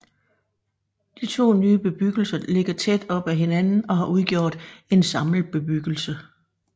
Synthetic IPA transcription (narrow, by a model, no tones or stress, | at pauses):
d̥it͡sʰo̝̰ːnyːb̥e̝b̥yɡ̥l̩sɐle̝ɡ̥ɐt͡sʰed̥ɒ̽b̥æɦe̝nænn̩ɒ̽ɦɑ̈ʔuðˠɡ̥jo̝̰ːd̥e̝nsɑ̈ml̩b̥e̝b̥yɡ̥l̩sə